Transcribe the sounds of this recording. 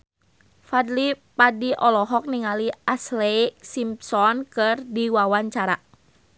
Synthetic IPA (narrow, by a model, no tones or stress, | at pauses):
fadlipadiʔɔlɔɦɔk̚niŋaliaslɛisimpsɔnkɨrdiwawaɲt͡ʃaɾa